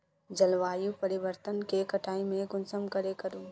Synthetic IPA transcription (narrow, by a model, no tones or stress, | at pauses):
d͡ʒɐlʋaːjupəɾɪʋəɾt̪ənkekɐʈʰaːimẽɡʊnsəmkɐɾekɐɾuː